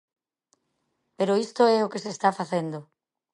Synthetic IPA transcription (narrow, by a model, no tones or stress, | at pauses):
peɾoist̪oɛokesest̪afaθend̪o